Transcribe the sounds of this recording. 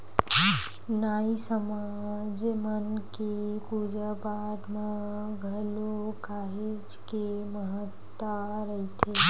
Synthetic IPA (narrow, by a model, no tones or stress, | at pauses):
naːisəma | d͡ʒmənkekud͡ʒəpaːʈmã | ɡʱəlokaːɦed͡ʒkeməɦət̪ː | a | ɾəɦit̪ʰe